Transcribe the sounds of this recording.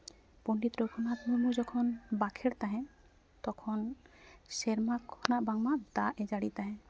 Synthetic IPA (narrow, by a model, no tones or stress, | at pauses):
ponɖit̪ɾokʰɔnat̪muɾmud͡ʒɔkʰɔnbakʰeɾt̪aɦɛ̃ | t̪ɔkʰɔnseɾmakʰɔnaʔbaŋmaʔd̪aʔɛd͡ʒaɽit̪aɦɛ̃